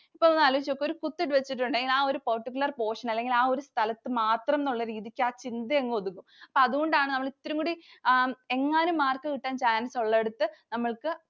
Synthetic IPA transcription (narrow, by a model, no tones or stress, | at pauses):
ipːoːɭonːaːlːʋit͡ɕːokːeo̞ɾukut̪ːiʈːɨʋet͡ɕːiʈ̬ːuɳɖɐleŋɡilaːo̞ɾupɐrʈːikʲːulɐrpo̞ːʂɐnɐlːe̞ŋɡilaːo̞ɾust̪ʰɐlɐt̪ːɨmaːt̪rɐmenuɭːɐɾiːðikʲːɨaːt͡ɕind̪ɐeŋːɨoðukːumɐpːoɐðuɣo̞ɳɖaːɳɨnɐmːɐɭit̪ːɾuŋɡkuɽi | e̞ŋːaːnumːaːrkɐkiʈːaːnt͡ɕaːjaːnɐsoɭːɐeɽut̪ːɨnɐmːɐɭkɨ